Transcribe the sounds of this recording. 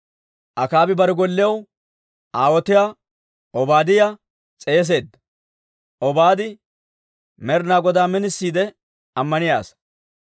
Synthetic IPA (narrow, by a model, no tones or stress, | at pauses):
ʔɐkaːbɪbɐɾɛɡɔlːɪjɐw | ʔaːwɔt̪ɪjaː | ʔɔbaːd̪ɪja | t͡sʼe̞ːs̬e̞ːd̪ːɐ̥ | ʔɔbaːd̪ɪ | mɛɾnaːɡɔd̪aːmɪnɪsːiːd̪ɛ | ɐmːɐnɪja̰ːs